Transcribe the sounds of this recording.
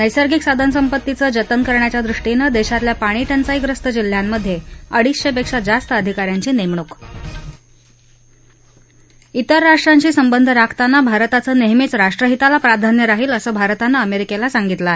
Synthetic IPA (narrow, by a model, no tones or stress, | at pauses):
nəjsəɾɡiksad̪ʱənəsəmpət̪ːit͡səːd͡ʑət̪ənkəɾɳjat͡ɕjad̪ɾuʂʈinəd̪eɕat̪ljapaɽ̃iːʈənt͡saiɡɾəst̪əd͡ʑil̤ːjamːəd̪ʱːjeəɽiːsɕepekʂad͡zast̪əəd̪ʱikaɾjaɲt͡ɕiːnemɳ̃uk | it̪əɾːaʂʈɾaɲt͡ɕiːsəmbənd̪ʱəɾakʰt̪anːabʱaɾt̪at͡səːneɦmit͡sɾaʂʈɾəɦit̪alapɾad̪ʱanjəɾaɦiːləsəːbʱaɾt̪anːaəmeɾikelasaŋɡit̪la